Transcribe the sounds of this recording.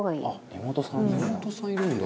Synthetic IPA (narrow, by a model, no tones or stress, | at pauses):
oɡaḭnemot̪osãemot̪osãiɾɯ̟̃nd̪a